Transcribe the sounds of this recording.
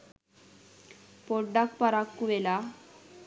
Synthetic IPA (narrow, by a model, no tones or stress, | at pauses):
poɖakpaɾakːuʋela